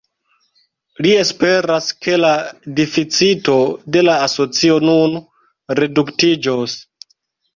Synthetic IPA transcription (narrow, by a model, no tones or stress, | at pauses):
lie̞spe̞ɾaske̞ladefit͡sito̞de̞laːso̞t͡sio̞nun | ɾe̞duktid͡ʒos